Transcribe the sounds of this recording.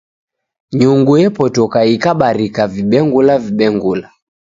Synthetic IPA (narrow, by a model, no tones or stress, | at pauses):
ɲuŋɡujɛpɔtɔkaikaɓaɾikaviɓɛŋɡulaviɓɛŋɡula